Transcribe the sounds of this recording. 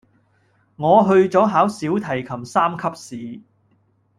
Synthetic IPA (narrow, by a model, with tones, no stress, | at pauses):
ŋɔː˨˧ɦɵ˧ɥt͡sɔː˨˥ɦaː˨˥wsiː˨˥wt̪ʰɐ˨˩jkʰɐ˨˩msaː˥mkʰɐ˥p̚siː˨